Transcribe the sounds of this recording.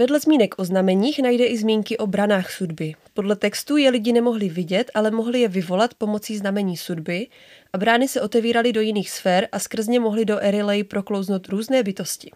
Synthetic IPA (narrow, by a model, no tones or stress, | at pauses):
vɛdlɛzmiːnɛkʔo̞znamɛɲiːxnajdɛʔɪzmiːŋkɪʔo̞bɾanaːxsudbɪpo̞dlɛt̪ɛkst̪uːjɛlɪɟɪnɛmo̞ɦlɪvɪɟɛt̪ʔalɛmo̞ɦlɪjɛvɪvo̞lat̪po̞mo̞t͡siːznamɛɲiːsudbɪ | ʔabɾaːnɪsɛʔo̞t̪ɛviːɾalɪdo̞jɪniːxsfɛːɾʔaskr̩zɲɛmo̞ɦlɪdo̞ʔɛɾɪlɛjɪpɾo̞klo̞wznowt̪ɾuːznɛːbɪt̪o̞scɪ̥